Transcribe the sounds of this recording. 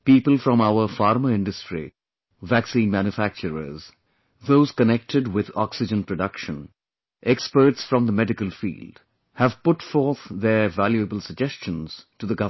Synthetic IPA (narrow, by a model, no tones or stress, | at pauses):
piːpəlˠfɾɔ̃maʊəfɑːɾməɪ̃nɖəstɾḭ | ʋæksĩnmæ̃njufæk̚t͡ʃəɾə̰z | ðoːz̥kənɛk̚ʈʰɪɖwɪðɔ̰ksɪd͡ʒə̃npɾəɖʌkʃə̃n | ʔɛkspəɾʈsfɾʌ̃md̪əmɛɖɪkəlfḭːlɖ | hævpʊʈfɔːɾt̪ðəvæljuəbəlsəɡ̚d͡ʒɛst͡ʃə̃nz̥ʈuðəɡʌv